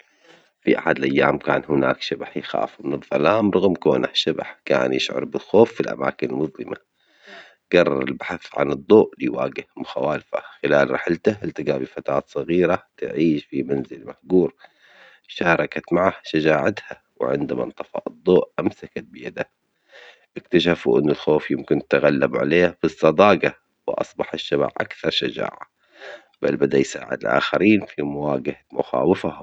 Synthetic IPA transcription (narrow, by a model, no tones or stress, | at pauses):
fiʔaħad̪lʔajːaːmka̰ːnhʊna̰ːkʃabaħjɪxa̰ːfmɪnɨðˤːɑlaːmɾˤɑɣmkoːnʔahʃaba̰ħka̰ːnjɪʃʕʊ̰ɾˤbɪlxoːfːilʔa̰ma̰ːkɪnɪlmʊðˤlɪma | ɡɑrˤːɑɾˤɪ̰lbaħaθʕa̰nɨd̪ˤːoːʔlijwa̰ːɡɪhmʊxawaːlfa̰xɪlaːlɾˤɑħɪlt̪aɪlt̪ɪɡabifat̪aːt̪sˤɑɣiːɾat̪ʕiːʃfimanzɪlmahɡuːɾ | ʃaːɾˤɑkat̪maʕahʃad͡ʒaːʕat̪ha | wʕɪ̰nd̪ama̰nt̪ˤɑfɑ̰ʔɨd̪ˤːoːʔʔamsakat̪̚bɪjad̪a | ʔɪkt̪aʃ̬afuʔɪnːalxoːfjɪmkɪnt̪t̪aɣalːabʕa̰leːhfɨsˤːɑd̪ˤɑːɡɑ | wʔɑ̰sˤbɑħɪʃːaba̰ʕʔa̰kθɑɾˤʃad͡ʒa̰ːʕa | b̥albad̪ajsa̰ːʕɪ̰d̪lʔa̰ːxaɾiːnfimʊwaːɡahamʊ̰xa̰ːwɪfa